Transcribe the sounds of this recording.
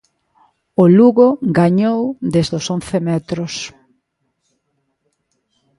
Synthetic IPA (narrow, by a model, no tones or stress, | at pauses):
ʊluɣoɡaɲowd̪ezðosonθemɛt̪ɾʊs